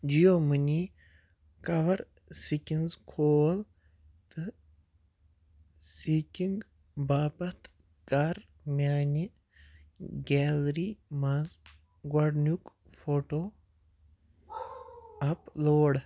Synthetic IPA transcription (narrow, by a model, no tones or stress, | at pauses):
d͡ʒijomɨni | kɐʋɐɾ | sikʲinzkʰoːl | t̪ɨ | sikiŋɡ | baːpɐt̪ʰ | kaɾ | mʲjaːni | ɡɛːlɾimaz | ɡwɐɖnuk | fʰoːʈoː | ɐploːɽ